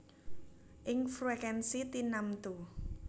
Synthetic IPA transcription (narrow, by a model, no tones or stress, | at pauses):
ʔɪŋfɾuɛkɛnsit̪inamt̪u